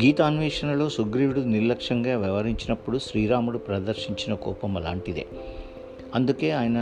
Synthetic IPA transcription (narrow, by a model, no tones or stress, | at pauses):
ɡiːt̪aːnʋiːʂɐnɐlo̞ːsuɡɾiʋiɽuniɾlɐkʂɐŋɡaːʋɛʋɐɾiɲt͡ʃinɐpːuɽuʃɾiːɾaːmuɽupɾɐd̪ɐɾʃiɲt͡ʃinɐkɔːpɐmɐla̰ːɳʈid̪ḛː | ɐnd̪uke̞ːaːjɐnɐ